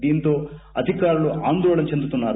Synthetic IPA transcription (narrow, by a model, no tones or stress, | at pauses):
d̪iːnt̪o̞ːɐd̪ʱikaːɾuluʔaːnd̪ɔːɭɐnt͡ʃe̞nd̪ut̪unːaːɾ